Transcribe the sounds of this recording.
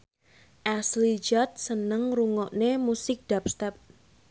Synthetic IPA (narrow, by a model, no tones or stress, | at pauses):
ʔɛslid͡ʒɔt̪̚sənəŋruŋɔʔnemusɪk̚d̥ap̚st̪ɛp̚